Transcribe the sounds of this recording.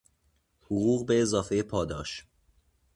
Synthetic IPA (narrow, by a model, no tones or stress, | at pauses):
hoɣuːɣbeːzɒːfejepʰɒːd̪ɒ̰ːʃ